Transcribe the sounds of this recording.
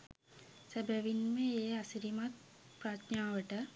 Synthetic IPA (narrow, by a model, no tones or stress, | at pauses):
səbəʋinməeːasiɾimat̪̚ | pɾat̪naːʋəʈə